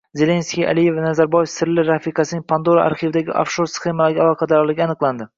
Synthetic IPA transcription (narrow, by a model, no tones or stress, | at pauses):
ze̞lʲe̞nskʲija̰lije̞vnazaɾbɒjefsɪɾlɪɾafiqʰɑsɪnɪŋpʰand̪oɾaʔa̰ɾχivd̪aɡʲɪ̰ʔa̰fʃoɾsχe̞malaɡʲalˠɒqʰɑd̪aɾɒlˠɪɡʲanɨqlˠand̪ɪ